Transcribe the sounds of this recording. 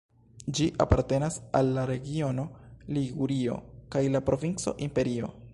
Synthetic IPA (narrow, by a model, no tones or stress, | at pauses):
d͡ʒiʔa̰paɾte̞nasa̰lːaɾe̞ɡio̞no̞liɡuɾio̞̰kajlapɾo̞vint͡so̞̰ʔimpe̞ɾio̞̰